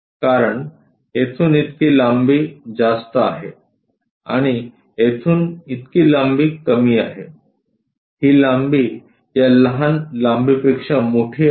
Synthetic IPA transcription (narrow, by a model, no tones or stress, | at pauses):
kaɾəɳ | et̪ʰuːnit̪kiːlambiːd͡zast̪əa̰ɦe | a̰ɽ̃i | et̪ʰuːnit̪kiːlambiːkəmiːaɦe | hiːlambiː | jaləɦanlambipekʂəmoʈʰiː